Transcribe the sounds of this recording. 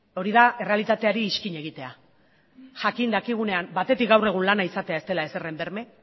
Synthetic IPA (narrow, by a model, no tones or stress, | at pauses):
o̞ɾiðae̞realit̪at̪e̞aɾiːʃkiɲe̞ɣ̞it̪e̞a | ʝakind̪akiɣ̞une̞ambat̪e̞t̪ik̚ɡawre̞ɣ̞unlanaisat̪e̞ae̞st̪e̞lae̞se̞re̞mbe̞ɾme̞